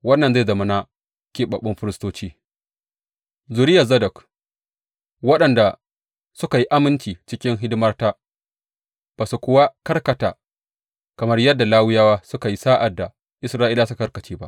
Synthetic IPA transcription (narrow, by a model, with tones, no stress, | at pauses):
wɐ˦nːɐ˨nza˦˨jzɐ˨mɐ˦naː˦ | kʲeː˨ɓɐ˨ɓɪ˦mɸɪ˦ɾɪ˦stoː˦t͡ʃiː˦ | zʊ˨ɾɪ˦ja˨zɐ˦dɐ˨k | wɐ˦ɗɐ˨nda˨ | sʊ˦ka˨ji˦ʔa˦mɪ˦nt͡ʃiː˨t͡ʃɪ˦kʲɪ˦ŋɦɪ˦dɪ˦mɐ˦rta˦ | b̥a˨su˨kʷʊ˨˦wa˦kɐ˦rkɐ˨ta̰ː˨ | kɐ˨mɐ˦rjɐ˦dːa˨laː˦wɪ˦jaː˦waː˦sʊ˦ka˨ji˦saː˦ʔa˨dːa˨ | ʔɪ˨sɾaː˦ʔiː˦laː˦s̬u˦kɐ˦rkɐ˨t͡ʃiː˦ba̰˦ʔ